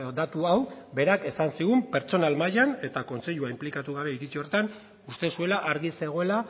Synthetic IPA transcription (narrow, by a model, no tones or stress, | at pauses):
d̪at̪uawbe̞ɾake̞sansiɣumpe̞ɾt͡so̞nalmajane̞t̪ako̞nse̞ʎuaimplikat̪uɣ̞aβe̞iɾit͡sio̞rt̪an | ust̪e̞sue̞laʔaɾɣise̞ɣ̞o̞e̞la